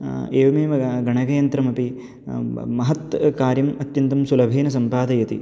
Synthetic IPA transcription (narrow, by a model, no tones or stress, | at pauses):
eːʋɐmeːmɐɡɐɳɐɡɐjɐnt̪ɾɐmɐpi | mɐɦɐt̪kaːɾjɐmɐt̪jɐnt̪ɐmsulɐbʱeːnɐsɐmpaːd̪ɐjɐt̪ḭ